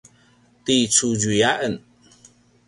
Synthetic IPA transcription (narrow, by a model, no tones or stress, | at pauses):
t̪it͡sud͡ʒujaʔən